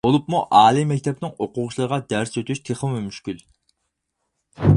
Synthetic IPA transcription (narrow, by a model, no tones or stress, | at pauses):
bolˠupmuʔɑːlˠimːɛkʲt̪ʰɛpnɪŋoqʊʁʃlˠɑɾʁɑd̪æɾsøt̪ʰyʃt̪ʰeχəmumyʃkʲyl